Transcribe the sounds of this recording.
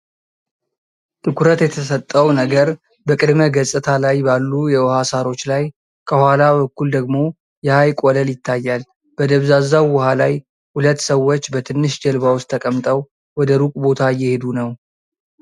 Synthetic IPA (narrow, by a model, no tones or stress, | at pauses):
t̪ʰɨkʰʷuɾət̪jɛt̪ʰəsət̪ʼːəwnəɡəɾ | bəkʼɨd̪məɡəsʼɨt̪ʰalajbalːujɛwɔhasaɾo̞t͡ʃːlaj | kʰəhʷwʷalaβəkːuld̪əɡmo̞ | jɛhajkʼoləljɪt̪ʰːajːal | b̥əd̪əβzazːawːʊhalaj | hulət̪ːsəwːo̞t͡ʃːbət̪ʰɨnːɨʃd͡ʒəlbawʊst̪ʰːəkʼəmt̪ʼəw | wɔd̪əɾukʼbo̞t̪ʰajːɛhe̞d̪unəw